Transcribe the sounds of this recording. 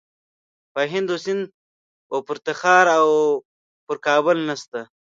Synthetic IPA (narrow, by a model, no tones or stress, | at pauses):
paɦɪnd̪osɪn | opʊɾt̪axɑːɾaw | pʊɾkɑːbʊlnast̪a